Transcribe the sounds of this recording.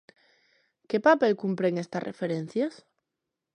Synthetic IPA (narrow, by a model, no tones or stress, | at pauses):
ke̞pape̞lkumpɾeŋest̪arʔḛfeɾen̟θjas